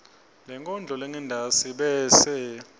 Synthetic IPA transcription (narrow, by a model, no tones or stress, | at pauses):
lɛŋkʼɔnd͡ɮʱɔlɛŋɛndʱasiɓɛːsɛ